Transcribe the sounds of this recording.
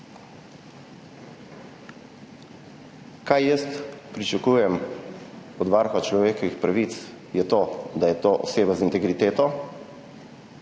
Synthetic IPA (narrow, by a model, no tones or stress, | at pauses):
kajjəst̪pɾit͡ʃakujɛm | ɔd̪ʋaɾxɔt͡ʃlɔʋeːkɔʋixpɾaʋit̪s | jɛt̪oːd̪ajɛt̪oːʔɔ̰seːbazint̪ɛɡɾit̪eːt̪ɔ